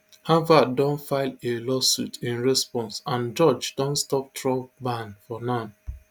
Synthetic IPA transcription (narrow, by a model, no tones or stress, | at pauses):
hãvadɔ̃nfaɪlelɔsṵtʰĩnɹɛspɔ̃nsãnd͡ʒɔd͡ʒdɔ̃ntstɔp̚tʰɹɔ̃bãnfɔnãm